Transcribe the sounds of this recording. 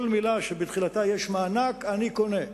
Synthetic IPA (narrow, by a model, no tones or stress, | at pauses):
lmilaʃebit̪χilat̪ajeʃmaːnakanikone